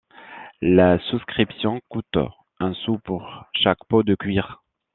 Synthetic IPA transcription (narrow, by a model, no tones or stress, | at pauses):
lasuskχipsjɔ̃kut̪ | ɛ̃supuʁʃakpod̪əkʲɥiʁ